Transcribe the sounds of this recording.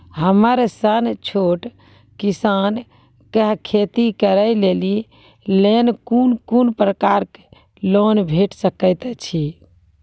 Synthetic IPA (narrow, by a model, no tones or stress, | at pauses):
ɦəməɾsənt͡ʃʰoʈ | kisan | kəɦkʰet̪ikəɾəleli | lenkunkunpɾəkaɾke̥ | lonbʱeʈsəkəɪt̪t͡ʃʰi